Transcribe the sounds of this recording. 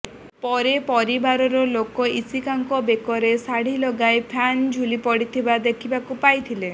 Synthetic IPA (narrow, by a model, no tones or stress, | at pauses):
pɔɾepɔɾibaɾɔɾɔlokɔisikaŋkɔbekɔɾesaɽ̤ilɔɡajpʰand͡ʒʱulipɔɽit̪ʰibad̪ekʰibakupajt̪ʰile